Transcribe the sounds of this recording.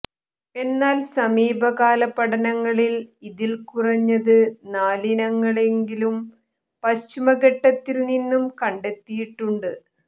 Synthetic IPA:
e̞nːaːlsɐmiːbɐɣaːlɐpːɐɽɐnɐŋːɐɭiliðilkurɐɲːɐðɨnaːlinɐŋːɐɭe̞ŋɡilum | pɐɕt͡ɕːimɐɣɐʈːɐt̪ːilninːumkɐɳɖe̞t̪ːijiʈːuɳɖɨ

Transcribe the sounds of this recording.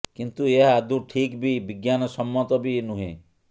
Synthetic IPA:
kint̪ueɦaad̪ũʈʰikbibiɡjanɔsɔmːɔt̪ɔbinũɦḛ̃

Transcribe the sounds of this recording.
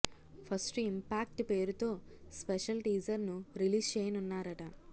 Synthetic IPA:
pʰɐsʈimpaːk̚ʈpe̞ːɾut̪o̞ːspeʃɐlʈiːd͡ʒɐɾnuɾiliːst͡ʃeːjɐnunːaːɾɐʈɐ

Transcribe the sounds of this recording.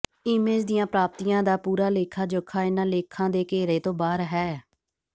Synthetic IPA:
iːmeːd͡ʒd̪ɪjãːpɾaːp̚t̪ijãːd̪aːpuːɾaːleːkʰaːd͡ʒokʰːaːɪnãːleːkʰːãːd̪eːkeːɾeːt̪õːbaːɾɦɛː

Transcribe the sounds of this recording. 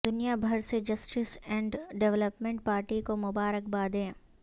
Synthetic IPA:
d̪ʊnijabʱɐɾsed͡ʒɐsʈɪsɛ̃ːɳɖɖɛʋləpmẽɳʈ̚paːɾʈikomʊbaːɾək̚baːd̪ẽː

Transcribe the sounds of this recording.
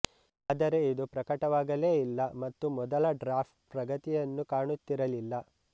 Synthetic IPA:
aːd̪ɐɾe̞id̪upɾɐkɐʈɐʋaːɡɐleːilːɐmɐt̪ːumɔd̪ɐlɐɖɾaːpʰʈpɾɐɡɐt̪ijɐnːukaːɳut̪ːiɾɐlilːɐ

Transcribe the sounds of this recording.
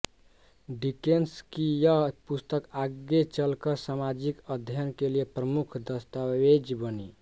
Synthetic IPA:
ɖikenskijəpust̪əkaɡet͡ʃəlkəsamad͡ʒikəd̪ʱjənkeliepɾəmukʰd̪əst̪aed͡ʒbəni

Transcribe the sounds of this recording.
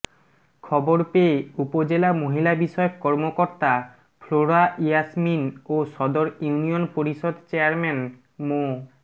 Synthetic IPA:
kʰɔboɾpeeupod͡ʑelamoɦilabiʃɔjokkɔɾmokoɾt̪a | pʰloɾaʔiasminoʃɔd̪oɾjiunionpoɾiʃod̪t͡ɕeaɾmen | mo

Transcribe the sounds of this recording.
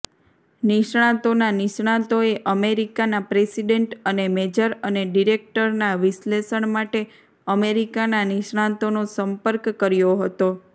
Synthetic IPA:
niʃɳ̃ãt̪onaniʃɳãt̪oeʔəmeɾikanapɾesiɖeɳʈənemed͡ʒəɾəneɖiɾek̚ʈəɾnaʋɪʃlesəɳmaʈe | əmeɾikananiʃɳ̃ãt̪onosəmpəɾkːəɾjoɦət̪o

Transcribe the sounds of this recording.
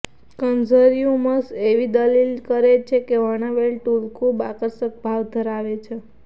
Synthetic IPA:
kənd͡ʒəɾijũməseʋid̪əlilkəɾet͡ʃʰekeʋəɽaʋelʈulkũbakəɾsək̚bʱaʋd̪ʱəɾaʋet͡ʃʰe

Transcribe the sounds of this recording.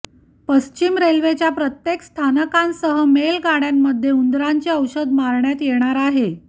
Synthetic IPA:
pəst͡ɕimɾelʋet͡ɕjapɾət̪jekst̪ʰanəkãnsəɦəmelɡaɽjamːəd̪ʱːjeund̪ɾaɲt͡ɕeəwɕəd̪maɾɳjat̪jeɽ̃aɾaɦe

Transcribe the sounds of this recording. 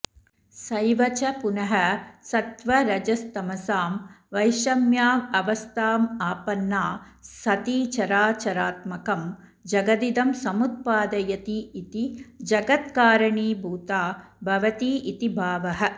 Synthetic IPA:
sɐjʋɐt͡ʃɐpunɐɦɐsɐt̪ʋɐɾɐd͡ʒɐst̪ɐmɐsaːmʋɐjʃɐmjaːmɐʋɐst̪ʰaːmaːpɐnːaː | sɐt̪iːt͡ʃɐɾaːt͡ʃɐɾaːt̪mɐkɐm | d͡ʒɐɡɐd̪id̪ɐmsɐmut̪̚paːd̪ɐjɐt̪iːt̪id͡ʒɐɡɐt̪kaːɾɐɳiːbʱuːt̪aː | bʱɐʋɐt̪iːit̪ibʱaːʋɐɦɐ̆

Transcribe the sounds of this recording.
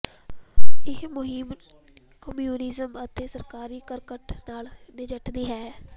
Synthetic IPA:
ɪmʊɦɪm | kəmjuːnɪzəmət̪ẽːsəɾkaːɾiːkəɾkəʈnaːlnɪd͡ʒəʈd̪iːɦɛː

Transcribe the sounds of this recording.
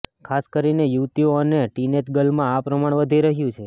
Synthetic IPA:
kʰaskəɾinejuʋt̪ioəneʈineʈɡəlmãapɾəmaɳ̃ʋəd̪ʱiɾəɦjũt͡ʃʰe

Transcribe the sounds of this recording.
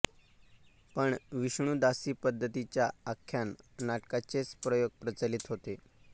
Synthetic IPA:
pəɳʋiɕɳ̃uːd̪asiːpəd̪ʱːət̪it͡ɕjaakʰːjannaʈkat͡set͡spɾəjoɡ̚pɾət͡salit̪ɦot̪e

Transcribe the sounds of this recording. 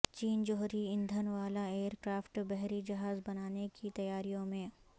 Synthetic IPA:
t͡ʃiːnd͡ʒɔɦɾiɪ̃nd̪ʱənʋaːlaeːəɾkɾaːfʈbɛɦɾid͡ʒɐɦaːzbɐnaːnekit̪ɐjaːɾijõmẽː

